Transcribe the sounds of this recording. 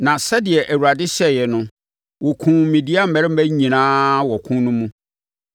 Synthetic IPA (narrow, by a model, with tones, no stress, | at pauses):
nã˨sɛ˦dɪ˨ɛ˨ʔæ˨wu˨ɾa˨dɪ˦ɕɛ˦jɛ˨nʊ̃˦ | wɔ˨kʰũ˨mĩ˨di˦a˦m̩˨mɛ˨ɾɪ˦m̩˦bæ˦ɲĩ˨nãː˦wɔ˨kʰʊ̃˦nʊ̃˦mũ˦